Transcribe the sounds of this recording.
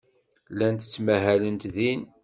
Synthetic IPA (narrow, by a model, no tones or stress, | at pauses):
lænt̪ə̥t͡sːmæɦælənt̪ðin